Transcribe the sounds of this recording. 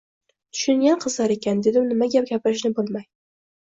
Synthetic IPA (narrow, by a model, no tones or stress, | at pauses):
t̪ʰʊ̥ʃʊŋɡʲanqʰɨzlaɾe̞kʲand̪e̞d̪ɪnɪmaɡʲap̚ɡʲapɪɾɪʃnɪbolˠmaj